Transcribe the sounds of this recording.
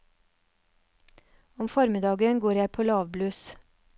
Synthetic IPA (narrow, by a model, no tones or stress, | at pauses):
ɔmfɔɾmɪd̪ɑːɡənɡoːɾjæɪpʰoːlɑːʋblʉːs